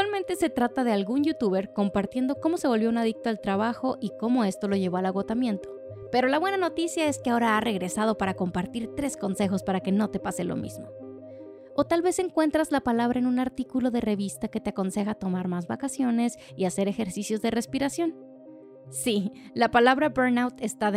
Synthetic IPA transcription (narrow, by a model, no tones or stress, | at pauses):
kt̪walmẽ̞nt̪e̞se̞t̪ɾat̪aðe̞alɣunʝut̪uβe̞ɾko̞mpaɾt̪je̞nd̪o̞ko̞mo̞se̞β̞o̞lβjo̞unaðik̚t̪oalt̪ɾaβaxo̞ʔiko̞mo̞e̞st̪o̞lo̞ʝe̞β̞o̞alaɣo̞t̪amje̞nt̪o̞̥ | pe̞ɾo̞laβwe̞nano̞t̪isjae̞skeao̞ɾaare̞ɣɾe̞sað̞o̞paɾako̞mpaɾt̪iɾt̪ɾe̞sko̞nse̞xo̞spaɾake̞no̞t̪e̞pase̞lo̰mʔḭzmo̞ | o̞t̪alβe̞se̞ŋkwe̞nt̪ɾazlapalaβɾaenũnaɾt̪ikulo̞ðe̞re̞βist̪ake̞t̪eako̞nse̞xat̪o̞maɾmazβakasjo̞ne̞s | iase̞ɾe̞xe̞ɾsisjo̞zðe̞re̞spiɾasjo̞n | si | lapalaβɾabeɾnawt̪e̞st̪að